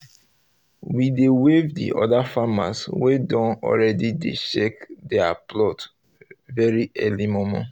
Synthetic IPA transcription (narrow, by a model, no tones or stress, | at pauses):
widewevdḭʔɔ̰dafama̰swedɔ̃nɔ̰ɹɛdidḛʃɛkdɛa̰plɔt | vɛɹiɛlimɔmɔ̰̃